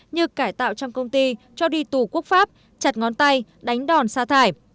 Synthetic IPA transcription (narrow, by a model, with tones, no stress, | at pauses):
ɲɨ˧kaː˧˩jt̪a̰ː˧˨wt͡ɕɔ˧wŋ͡mkə˧wŋ͡mt̪i˧ | t͡ɕɔ˧ɗi˧t̪u˨˧˩ku˦˥ək̚faː˦˥p̚ | t͡ɕa˨˩t̚ŋɔ˨˦nt̪a˧j | ɗa˨˦jŋ̟ɗɔ˨˩nsaː˧t̪ʰaː˧˩j